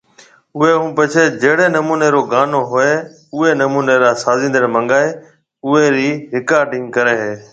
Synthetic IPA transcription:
ʊɦeɦũːpɐt͡ʃʰed͡ʒeɦɽenɐmuːneɾoːɡaːnoɦʊe | ʊenɐmuːneɾaːsaːzĩːnd̪əɾmɐ̃ŋɡaːe | ʊeɾiːɦɪkaːɾɖɪ̃ŋɡkɐɾeːɦeː

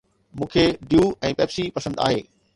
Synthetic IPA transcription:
mũːkʰeɖijuɛ̃ːpɛːbsipɐsə̃nd̪a̰ːɦḛː

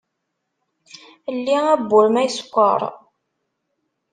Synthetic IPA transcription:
lːiæbːʊɾmæjskʷːə̰ɾˤ

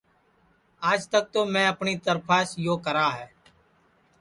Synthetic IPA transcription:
aːd͡ʒt̪ək̚t̪oːmɛ̃ːəpɳiːt̪əɾpʰaːsjoːkəɾaːɦɛː

